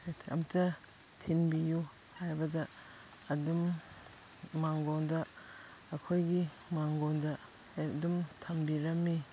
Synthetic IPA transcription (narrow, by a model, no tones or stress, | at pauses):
tʰɐ̰mtɐ | tʰinbiju | hajbɐdɐː | dum | aŋɡondɐː | kʰojɡi | maŋɡondɐ | dumtʰɐmbiɾɐmːi